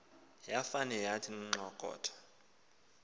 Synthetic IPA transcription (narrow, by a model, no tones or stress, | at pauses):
jafanɛjatʰin̩ŋ͡ǁɔkʼɔ̰ːtʰḁ